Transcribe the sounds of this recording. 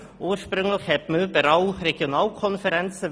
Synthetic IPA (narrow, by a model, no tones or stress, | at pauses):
ʔuːəʃpɾʏŋlɪçhɛt̪møbəɾaʊɾeɡ̥jonɑːlkʰɔnfəɾɛnt͡sə